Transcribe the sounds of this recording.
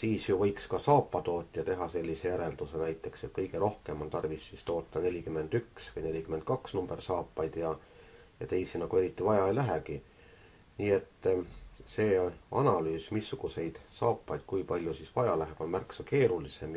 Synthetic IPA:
siːsjuvɤjkskɑsɑːpːɑt̪o̞ːt̪ʲːˑiɑt̪e̞ɦɑse̞lʲːise̞jæɾe̞ld̪̥use̞næjt̪ˑːe̞kset̪̚kɤjɡe̞ɾo̞hke̞mo̞nt̪ɑrvisːist̪o̞ːt̪ˑːɑne̞lʲikymːe̞nd̪̥yksvɤjne̞lʲikymend̪̚kɑksnumb̥e̞rsɑːpːɑjd̪̥jɑ | jɑt̪e̞jsinɑɡ̥ue̞ɾit̪ːˑivɑjɑelæɦeki | niːe̞t̪ːse̞ːonɑnɑlyːsmisːuɡ̥use̞jd̪̥sɑːpːˑɑjd̪̥kujpɑlʲjusisvɑjɑlæɦeb̥o̞nmærksɑke̞ːɾulise̞m

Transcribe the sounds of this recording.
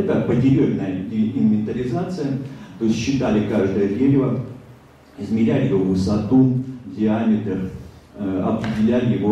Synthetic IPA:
k̪ak̚pətʲɪɾʲevʲnːəjəɪnvʲɪnt̪əɾʲɪzat̪sɨjət̪oɪsʲt̪ʲɕːɪt̪alʲɪkaʐd̪əjəd̪ʲeɾʲɪvə | ɪzmʲɪɾʲælʲɪjɪvovɨsɐt̪udʲɪamʲɪt̪ər | ɐ̰pɾʲɪdʲɪlʲælʲɪjɪvo

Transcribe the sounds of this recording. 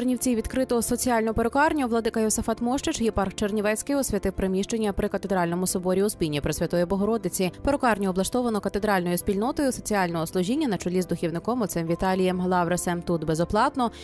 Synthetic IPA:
rnʲiwt͡sʲiwʋʲid̪kɾɪt̪ɔɦɔsɔt͡sʲijɑlʲnɔpeɾʊkɑrnʲʊʋlˠɐd̪ɪkɐjɔsɐfɑt̪mɔʃt͡ʃɪt͡ʃjipɑrxt͡ʃernʲiʋɛt͡sʲkɪjɔsʲʋʲɐt̪ɪwpɾɪmʲiʃt͡ʃenʲːɐpɾɪkɐt̪ed̪ɾɑlʲnɔmʊsɔbɔɾʲiʊspʲinʲːipɾɪsʲʋʲɐt̪ɔjibɔɦɔɾɔd̪ɪt͡sʲipeɾʊkɑrnʲɔɔblˠɐʃt̪ɔʋɐnɔkɐt̪e̞d̪ɾɑlʲnɔjʊspʲilʲnɔt̪ɔjʊsɔt͡sʲiɑlʲnɔɦɔslˠʊʒʲinʲːɐnɐt͡ʃʊlʲizd̪ʊxʲiwnɪkɔmɔt̪sɪmʋʲit̪ɑlʲɪjɛmlˠɑʋɾesɛmt̪ut̪bezɔplˠɑt̪nɔ

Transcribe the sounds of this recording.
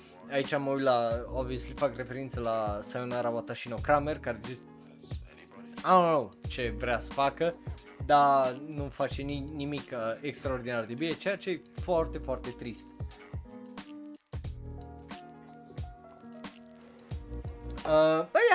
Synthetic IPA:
ait͡ʃaməujt̪laovislifakre̞fe̞ɾint̪səlasajonaɾavat̪aʃinokɾame̞rkaɾed͡ʒis | aowt͡ʃe̞vɾeasə̥fakə | d̪anufat͡ʃe̞ninimikəekst̪ɾaord̪inard̪ebiet͡ʃejat͡ʃeje | foart̪e̞foart̪e̞t̪ɾist̪ | əbəja

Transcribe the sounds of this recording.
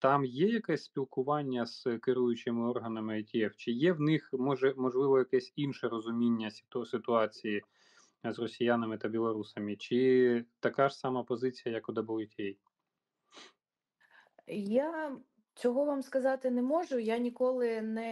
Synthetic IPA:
t̪ɑmjɛjɐkɛsʲsʲpʲilˠkʊʋɑnʲːɐz̥kɪɾujʊt͡ʃɪmɪɔrɦɐnɐmɪɐtʲiɛwt͡ʃɪjɛwnɪxmɔʒɛmɔʒlˠɪʋɔjɐkɛsʲinʃɛɾɔzʊmʲinʲːɐsʲt̪sɪt̪ʊɑt͡sʲiji | zrɔsʲijanɐmɪt̪ɐbʲilˠɔɾusɐmɪt͡ʃɪt̪ɐkɑʃsɑmɑpɔzɪt͡sʲijɐjɐkʊd̪ɐbɔlˠɪtʲɛj | ja | t͡sʲɔɦɔʋamskɐzɑt̪ɪnɛmɔʒʊjanʲikɔlˠɪnɛ

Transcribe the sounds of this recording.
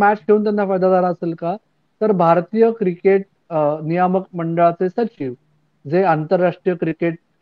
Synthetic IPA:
mæt͡ɕkʰeuːnt̪janːafajd̪ad̪aɾaəselka | t̪əɾbʱaɾt̪iːjəkɾikeʈ̚ | nijaməkməɳɖəɭat͡sesət͡ɕiʋ | d͡zeant̪əɾːaʂʈɾijəkɾikeʈ̚

